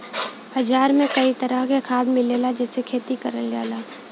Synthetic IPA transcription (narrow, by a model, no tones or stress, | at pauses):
hɐd͡ʒaːɾmẽkɐit̪əɾakekʰaːd̪mɪleːlad͡ʒɛːsekʰeːt̪ikəɾəlɡa̰ːlaː